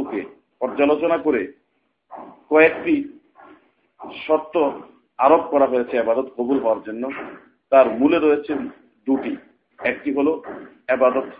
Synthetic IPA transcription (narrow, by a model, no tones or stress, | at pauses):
oke | pɔɾd͡ʑalot͡ɕonakoɾe | kɔekʈi | ʃɔt̪ːo | aɾopkɔɾaɦojet͡ɕʰeebad̪ot̪kobulɦɔaɾd͡ʑonːo | t̪aɾmuleɾojet͡ɕʰe | d̪uʈi | ɛk̚ʈiɦolo | ebad̪ot̪